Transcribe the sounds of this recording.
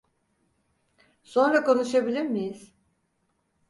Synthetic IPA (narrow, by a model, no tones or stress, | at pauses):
so̞nɾakʰo̞nuʃabilʲiɾmijiz̥